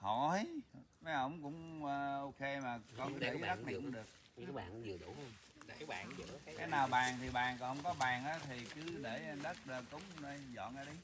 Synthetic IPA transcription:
hɔ̰˧˨˦jma˨˦ʔə˧˦wŋ͡mkʊ̰˧˥ŋ͡məː˧ʔo˧ke˧maː˨˩kɔ˧˩ne˨˧˦zə˦˥k̚nḭ˨˧˨əɗɨ˨˩ək̚ka˨˦ɓa̰ː˧˨n˨˦zɨ˨˩ɗu˧˨˦ | a˨˦ɓa̰ː˧˨n˨ə˨˩˨kaː˨˦jnaː˨˩wɓaː˨˩ŋt̪ʰi˨˩ɓaː˨˩nkɔ˨˩nhwŋ͡mkɔ˨˦ɓaː˨˩ŋʔaː˨˦t̪ʰi˨˩kɨ˨˦ɗe˧˩˧ɗə˦˥t̚ɗə˧˩kʊ˧˦wŋ͡mnə˧jzɔ̰˧˨nʔaː˨˧˦ɗə˨˦j

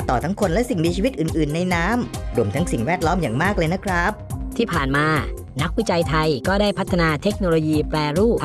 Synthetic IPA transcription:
t̪ɔː˨˩t̪ʰa˦˥ŋkʰo˧nlɛ˦˥ʔsi˨˩ŋmiː˧t͡ɕʰiː˧wi˦˥t̪̚ʔɯː˨˩nʔɯː˨˩nːa˧jnaː˦˥mɾu˧˩əmt̪ʰa˦˥ŋsi˨˩ŋwɛː˥˩t̪̚lɔː˦˥mjaː˨˩ŋmaː˥˩k̚lɤː˧jna˦˥kʰɾa˦˥p̚t̪ʰiː˥˩pʰaː˨˩nmaː˧ | na˦˥k̚wi˦˥t͡ɕa˧jt̪ʰa˧jkɔː˥˩daː˥˩jpʰt̪ʰːnaː˧t̪ʰe˦˥k̚noː˧loː˧jiː˧plɛː˧ɾuː˥˩p

